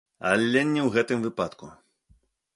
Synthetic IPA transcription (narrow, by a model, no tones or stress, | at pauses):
a̰lʲːɛnʲːɛwɣɛt̪ɨmvɨpat̪kṵ